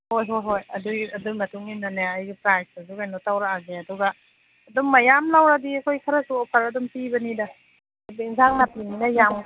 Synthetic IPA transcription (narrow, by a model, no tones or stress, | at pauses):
hojɦojɦojɐdujɐduŋmɐtuŋimnanaajɡipɾajsasukajnɔtawɾaaɡeɐduɡɐː | dɔmːajamlawɾadiɐkʰojkʰɐɾɐsuɔpʰaɾɐdɔmpibɐnidɐ | biiŋzaŋnapininɐjam